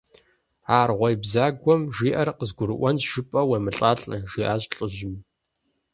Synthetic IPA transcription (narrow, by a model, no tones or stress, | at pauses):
aːrʁʷɔjbzaːɡʷɔmʒiːʔɐrqəzɡʷʊɾɨʔʷɔnʒ̥ɨpʼɐweːmɨɬʼaːɬʼɐʒiːʔaːɕʼɬʼɨʒɪm